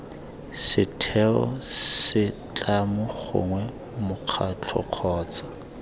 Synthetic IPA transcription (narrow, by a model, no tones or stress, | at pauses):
sɪtʰɛɔ̰ssɪt͡ɬamʊχʊ̰ŋwɛ | mʊq͡χʰat͡ɬʰɔ̰q͡χʰɔːt͡sḁ